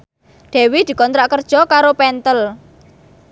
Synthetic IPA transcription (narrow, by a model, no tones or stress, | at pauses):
ɖ̪̥ɛ̤wid̪̥i̤kɔnt̪ɾaʔkərd̥ʒ̥ɔ̤kaɾopɛnt̪əl